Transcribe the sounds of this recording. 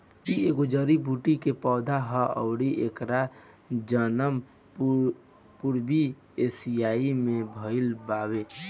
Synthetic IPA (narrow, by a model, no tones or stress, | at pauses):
ieːɡod͡ʒəɾibʱuːʈikepɔːd̪ʱaɦəʔə̰ʊɽiʔeːkɾa | d͡ʒənəm | puɾbi | eːsijaːimẽbʱəɪlbaːweː